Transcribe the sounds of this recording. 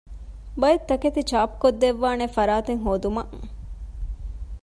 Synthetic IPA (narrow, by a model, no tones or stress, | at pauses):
bɐjet̪ːɐket̪it͡ʃaːpkod̪ːeʋːaːnefɐɾaːt̪eŋɦoːd̪umɐ̰ʔ